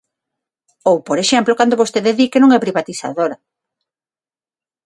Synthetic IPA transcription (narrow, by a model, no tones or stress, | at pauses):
owpoɾeʃɛmplokand̪oβost̪eðeðikenõŋɛpɾiβat̪iθa̰ðoɾɐ